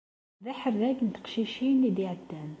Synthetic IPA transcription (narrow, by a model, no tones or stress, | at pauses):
ðaħəɾðæknt̪ə̥qʃiʃinːid̪iʕəd̪ːæn